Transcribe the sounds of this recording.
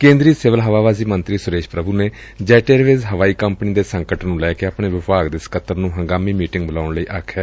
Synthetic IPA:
kẽːnd̪ɾiːsɪʋəlɦəʋaːʋaːziːmənt̪ɾiːsʊɾeːʃpɾəbʱuːneː | d͡ʒɛːʈeːɾʋeːzɦəʋaːiːkəmpniːd̪eːsəŋkəʈnũːlɛːkeːaːpɳeːʋɪpaːɡd̪ɪskət̪ːəɾnũːɦəŋɡaːmiːmiːʈɪ̃ŋɡ̚bəlaːʊɳləiːʔaːkʰːɛː

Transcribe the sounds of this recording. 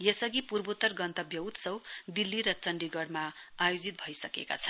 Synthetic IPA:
jesʌɡipurbot̪ːʌrɡʌnt̪ʌbjʌut̪sʌwd̪ilːiɾʌt͡sʌnɖiɡʌɽmaajod͡zit̪̚bʱʌjsʌkḛka̰t͡sʰʌn

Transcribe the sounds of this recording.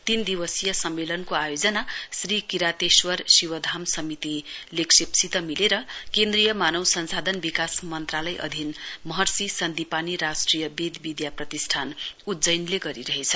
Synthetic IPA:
t̪ind̪iwʌsijʌsʌmːelʌnkoajod͡zʌnasrikiɾat̪eswʌrsiwʌd̪ʱamsʌmit̪ileksipsit̪ʌmileɾʌkend̪rijʌmanʌwsʌnsad̪ʱʌnbikasmʌnt̪ralʌjʔʌ̰d̪ʱinmʌɦʌrsisʌnd̪ipaniɾasʈrijʌbed̪bid̪japrʌt̪isʈʰanud͡zʌjnleɡʌɾiɾʌɦet͡sʰʌ̥

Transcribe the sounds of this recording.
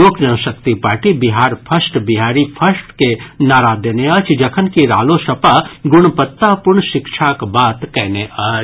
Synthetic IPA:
oːknɐʋʃək̚t̪ipaːɾʈibɪɦaːɾpʰɐsʈbɪɦaːɾipʰɐsʈkenaːɾaːd̪əneɐt͡ʃʰd͡ʒɐkʰənkiɾa̰ːloʃɐpaɡʊɳ̃pət̪ːapʊɾɳʃɪkʃʰakbaːt̪kɛɦneət͡ʃ

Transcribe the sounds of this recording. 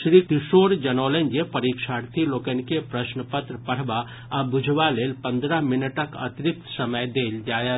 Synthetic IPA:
ʃɾiːt̪ɪʃoːɾd͡ʒɐnoːlend͡ʒepəɾiːkʃaːɾt̪ʰiloːkənkepɾəʃnəpət̪ɾəpəɽ̤ba | abʊd͡ʒʱʋaleːlpə̃nd̪ɾəɦmɪnəʈəkə̰t̪ɾɪk̚t̪səməjd̪eːld͡ʒaːja

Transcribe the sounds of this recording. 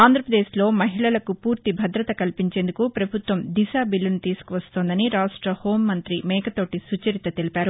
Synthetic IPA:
aːnd̪ʱɾɐpɾɐd̪eːslo̞ːmɐɦiɭɐlɐkupuːɾt̪ibʱɐd̪ɾɐt̪ɐkɐlipiɲt͡ʃe̞ːnd̪ukupɾɐbʱut̪ʋɐmd̪isaːbilːɐnut̪iːsu̥kuʋɐst̪oːnd̪ɐniɾaːʂʈɾɐhoːmːɐnt̪ɾimɛːkɐt̪o̞ːʈisut͡ʃɐɾit̪ɐt̪elipaːɾu

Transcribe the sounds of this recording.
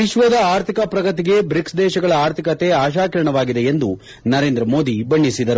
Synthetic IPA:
iʃʋɐd̪ɐaːɾt̪ʰikɐpɾɐɡɐt̪̬iɡe̞bɾiksd̪ɛːʃɐɡɐɭɐaːɾt̪ʰikɐt̪eaːʃ̬aːkɐɾɐɳɐʋaːɡid̪e̞end̪u | nɐɾe̞ːnd̪ɾɐmo̞ːd̪ibɐɳːisid̪ɐɾu

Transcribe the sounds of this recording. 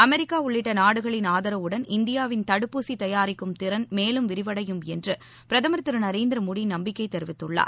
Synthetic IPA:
ɐmɛɾɪkːaːʊɭːɪʈːɐnaːɽɯɣɐɭɪnaːðɐɾɐʋɯɽɐnɪnd̪ɪjaːʋɪnt̪ɐɽɯpːuːsit̪ɐjaːɾɪkːɯmt̪ɪɾɐnmeːlɯmʋɪɾɪʋɐɽɐjɯmɛndrɯ | pɪɾɐðɐmɐɾt̪ːɯɾɯnɐɾeːnd̪ɪɾɐmoːɽinɐmbɪkːɐɪt̪ɛɾɪʋɪt̪ːɯɭːa̰ː

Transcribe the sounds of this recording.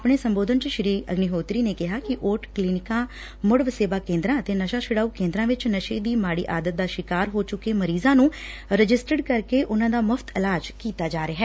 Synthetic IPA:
apɳeːsəmboːd̪ənt͡ʃʃɪɾiːə̰ɡniɦoːt̪ɾiːneːkɪɦaːkɪʔoːʈkliːnɪkãː | mʊɽʋseːʋaːkẽːnd̪ɾãːət̪eːnəʃaːʃɪɽaːuːkẽːnd̪ɾãːʋɪt͡ʃnəʃeːd̪iːmaːɽḭːʔaːd̪ət̪̚d̪aːʃɪkaːɾɦoːt͡ʃʊkːeːməɾiːzãːnũːɾəd͡ʒɪsʈəɖkəɾkeːʔʊnãːd̪aːməfʰt̪ʰɪlaːd͡ʒkiːt̪aːd͡ʒaːɾeaːɦɛː

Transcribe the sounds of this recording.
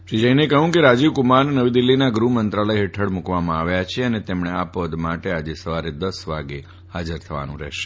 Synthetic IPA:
ʃid͡ʒəjnekəɦũkeɾad͡ʒiʋkumaɾnəʋid̪ilːinaɡɾumənt̪ɾaləjɦeʈʰəɽmukʋamãaʋjat͡ʃʰeənet̪emɳ̃eapod̪maʈead͡ʒesəʋaɾed̪əsʋaɡe | had͡ʒəɾt̪ʰəʋa̰nṵ̃ɾɛ̰ɦʃe̥

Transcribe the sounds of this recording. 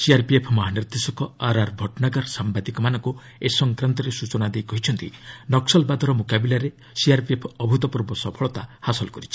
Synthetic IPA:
siaɾpiepʰmɔɦaniɾd̪esɔkɔaɾaɾbʱɔʈnaɡɔɾsambad̪ikɔmanɔŋku | esɔŋkɾant̪ɔɾesut͡ʃɔnad̪ejkɔɦit͡ʃʰɔnt̪ḭnɔksɔlbad̪ʱɔɾɔmukabilaɾe | siaɾpiepʰɔbʱut̪ɔpuɾbɔsɔpʰɔɭɔt̪ahasɔlɔkɔɾit͡ʃʰi̥

